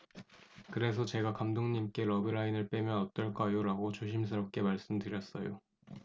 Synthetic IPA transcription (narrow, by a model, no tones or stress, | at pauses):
kɯɾe̞s̬ʰʌt͡ɕe̞ɡakamdoŋɲimk͈e̞ɾʌbɯɾainɯɭp͈e̞mjʌnʌt͈ʌɭk͈ajoɾaɡot͡ɕoɕ̬ʰims̬ʰɯɾʌp̚k͈e̞maɭs͈ɯmtɯɾjʌs͈ʌjo